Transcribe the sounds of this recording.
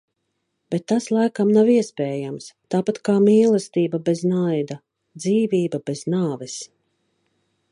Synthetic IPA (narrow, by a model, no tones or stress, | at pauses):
b̥ɛt̪ːaslˠajkamnawiɛspɛːjamst̪aːpat̪kaːmiːlˠast̪iːbabɛznajd̪a | d̪ziːviːbabɛznaːvɛs